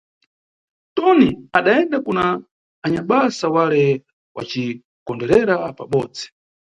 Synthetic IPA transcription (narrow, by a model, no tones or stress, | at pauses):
tɔniaɗaɛndakunaː | ɲaɓasawalɛ | wa̰t͡ʃi | kɔndɛɾɛɾapa̰ɓɔːd͡zi̥